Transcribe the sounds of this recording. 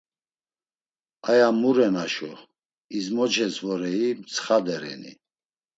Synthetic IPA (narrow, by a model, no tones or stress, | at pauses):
ajamuɾɛnaʃɔ | izmɔt͡ʃʰɛsvɔɾɛimt͡sʰχad̪ɛɾɛ̰nḭ